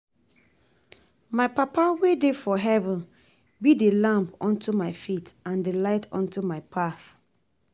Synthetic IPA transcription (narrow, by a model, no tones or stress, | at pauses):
maɪpapawedefɔɦɛvɔ̃n | bidelãmpɔ̃ntumaɪfitãndəlaɪtʰɔ̰̃ntumaɪpʰaθ